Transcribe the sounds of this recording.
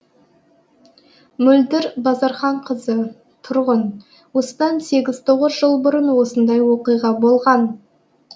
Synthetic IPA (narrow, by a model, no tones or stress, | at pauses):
mʏld̪ɪɾbɑzɑɾχɑɴqʰəzə | t̪ʰʊɾʁən | wo̞sət̪ɑnse̞ɡʲɪz̥t̪ʰo̞ʁəzʒəlˠbʊɾənwo̞sənd̪ɑjwo̞qijʁɑbo̞lˠʁɑn